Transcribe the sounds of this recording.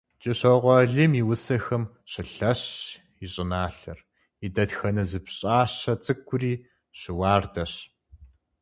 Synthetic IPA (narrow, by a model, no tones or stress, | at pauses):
t͡ʃʼɪɕɐʁʷɔɮɨmiwʊsɐxɐm | ɕɪɬɐɕ | iɕʼɪnaːɬɐ̰r | idɐtxɐnɐzɨpɕʼaːɕɐt͡sʼɨkʷʰːʊriː | ɕɪwaːrdɐɕ